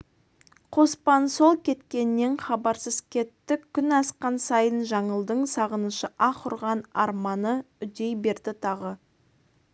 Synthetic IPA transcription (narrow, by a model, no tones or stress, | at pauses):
qʰo̞spɑnso̞lˠkʲʰe̞t̪kʲe̞nːe̞ɴχɑbɑɾsəzkʲʰe̞t̪ːɪkʲʰːʏnɑsqɑnsɑjənʒɑɴəlˠd̪əɴsɑʁənəʃəʔɑqʰʊɾʁɑnɑ̰ɾmɑnə | ʏd̪e̞jbe̞ɾd̪ɪt̪ʰɑʁə